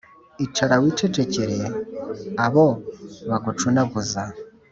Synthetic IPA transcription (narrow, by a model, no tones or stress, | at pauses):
it͡ʃaɾawit͡ʃet͡ʃeceɾe | aβoβakut͡ʃunakuza